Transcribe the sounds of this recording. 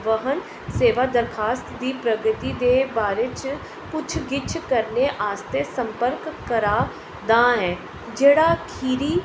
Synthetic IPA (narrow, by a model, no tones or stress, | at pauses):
ʋəɦən | seːʋaːd̪əɾkʰaːst̪d̪iːpɾəɡət̪iːd̪eːbaːɾeːt͡ʃ | pʊt͡ʃʰɡɪt͡ʃʰkəɾneʔaːst̪eːsəmpəɾkːəɾaː | d̪ãːɦɛː | d͡ʒeːɽaːkʰiːɾiː